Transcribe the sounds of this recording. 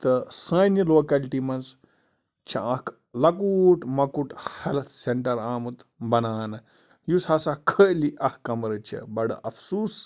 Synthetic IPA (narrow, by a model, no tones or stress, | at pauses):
t̪ɨsə̃ːniloːkɐlʈimɐnz | t͡ʃʰɐ̰̃ɐk | lɐkuːʈmɐkuʈhɐɾɐt̪seɳʈɐɾaːmut̪bɐnaːnɨ | jusɐsakʰəliʔɐhkɐmɐɾɨt͡ʃʰḭbɐɽɐ̰ʔɐfʰsuːs